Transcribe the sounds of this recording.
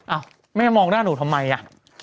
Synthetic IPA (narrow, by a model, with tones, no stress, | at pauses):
ʔa˧˩w | ma˥˩ja˥˩mɔː˧ŋnaː˥˩nuː˨˩t̪ʰa˧mːa˧jʔa˧˩ʔ